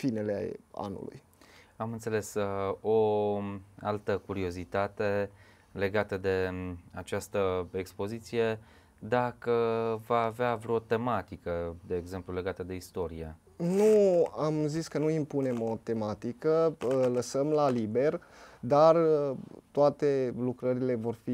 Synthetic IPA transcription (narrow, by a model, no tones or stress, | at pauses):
fine̞lḛa̰nṵlṵj | amɨnt̪se̞le̞so | a̰lt̪əkuɾio̞zit̪at̪e̞ | le̞ɡat̪əd̪e̞at͡ʃast̪əekspo̞zit̪sije̞ | d̪akəvaːveavɾot̪e̞mat̪ikəd̪eːɡze̞mplule̞ɡat̪əd̪e̞ist̪o̞ɾije̞̰ | nuamziskənuimpune̞mo̞t̪e̞mat̪ikəələsəmlalibe̞r | d̪art̪oat̪e̞lukɾəɾile̞vo̞rfi